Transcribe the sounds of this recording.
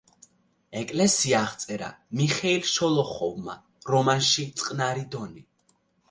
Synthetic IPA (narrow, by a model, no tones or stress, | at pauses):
ɛkʼlɛsiaːʁt̪sʼɛɾa̰miχɛilˠʃɔlˠɔχɔvma̰ | ɾɔmanʃit̪sʼqʼnaɾid̪ɔni